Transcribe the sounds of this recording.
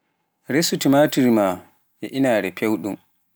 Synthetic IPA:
ɾesutimatiɾima | ɛʔinaːɾɛpʰewɗum

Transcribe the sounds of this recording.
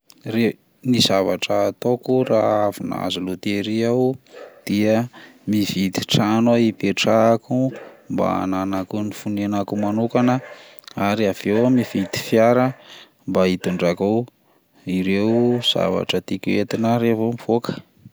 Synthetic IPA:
re | nizavaʈ͡ʂət̪okuraavina̰zulut̪eɾiawd̪̥iəmivid̪i̥ʈ͡ʂanwaipeʈ͡ʂakumba̰a̰nanakunifunenakumanukanə | aɾiav̥ewamivid̪i̥fjaɾə | mbait̪uɳɖ͡ʐakaw | iɾewz̥a̰va̰ʈ͡ʂət̪ikuet̪inaɾevomiv̥okə̥

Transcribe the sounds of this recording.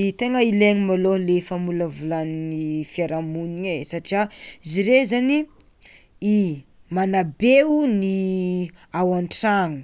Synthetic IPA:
t̪eŋəileɲimalolefəmuləvulaninifiaɾamuniesaʈ͡ʂiaiziɾezani | imanabeuni | awaɳʈ͡ʂaŋu̥

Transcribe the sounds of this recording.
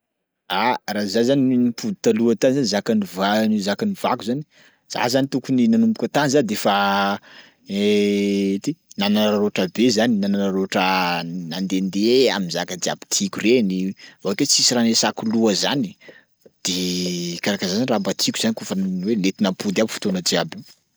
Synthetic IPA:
arazazaninipʰud̪it̪aluat̪anzanizakanivanizakaniv̥akuzani̥ | z̥a̰zanit̪ukuninanumpukʲat̪anizand̪efa | e | t̪inananɾaɾoʈ͡ʂəbezaninananaɾoʈ͡ʂənand̪end̪ea̰minzakad͡ʒia̰bi̥t̪ʰikʲurenivaaket͡sisiɾanesakuluəzani̥ | d̪̥ekaɾakazzanirambat̪ʰikʲuzanikufənwelet̪inampud̪abifu̥t̪onad͡ʒiabi

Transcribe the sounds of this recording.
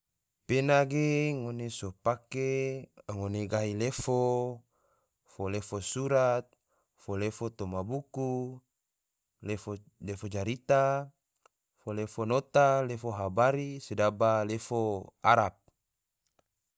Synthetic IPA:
penaɡeŋonesopakeŋoneɡailefo | folefosuɾat̪̚ | folefot̪omabuku | l | lefod͡ʒaɾit̪a | folefonot̪alefoɦabaɾisedabalefoaɾap̚

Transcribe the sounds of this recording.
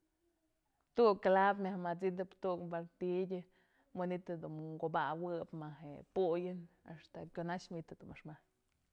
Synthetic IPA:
t̪ukkalap̬mʲahmat͡sid̪ɨpt̪ukbaɾt̪idʲɨ | mɨnit̪ad̪unɡobawɨpmaɦḛpujɨna̰ʂt̪ekʲonat͡ʃmit̪ad̪umaʂmahɲ

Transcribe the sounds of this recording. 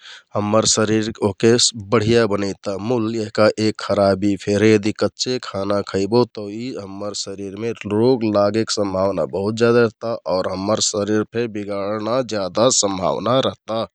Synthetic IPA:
həmːəɾsəɾiɾokebəɽ̤ijabənəɪt̪amuljeɦkaʔekʰxəɾabipʰeɾjəd̪ikətːʃʰekʰanakʰəɪbot̪ɔiɦəmːəɾsəɾiɾmeɾoɡlaɡeksə̃mbʱawna̰bəɦut̪̚d͡ʒjad̪aɾəɦt̪aʔɔːɾɦəmːəɾsəɾiɾpʰebiɡaɽnad͡ʒjad̪asəmbʱa̰wnaɾəɦt̪a

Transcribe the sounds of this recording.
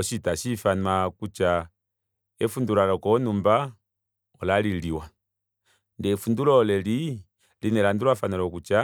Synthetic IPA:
ɔʃitaʃifanakut͡ʃa | ɛfundulalɔkɔnumba | ɔlaliliwa | ndɛfundulɔlɛli | linɛlanduɾwafanalɔkut͡ʃa

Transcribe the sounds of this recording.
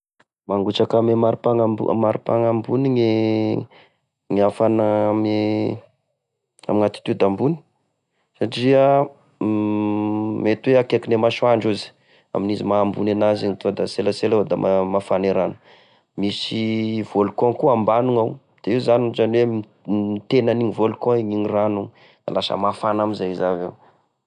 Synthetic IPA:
maŋɡut͡ʃakamemaɾupaŋa̰maɾipa̰ŋambuniŋe | ŋafanam | a̰miŋat̪i̥t̪ud̪ambuni̥ | saʈ͡ʂiə | met̪uweakekinemaʃuaɳɖ͡ʐuzi̥ | a̰minizimaːmbunenaziŋit̪uad̪aselaselad̪a̰mamafaneɾanu̥ | misiv̥olukɔ̃ŋkuambanuŋaw | d̪̥eiwzanizaniwe | it̪enaniŋivolukɔ̃iɲiɲiranuŋ | a̰lasə̰mafanamizaizave

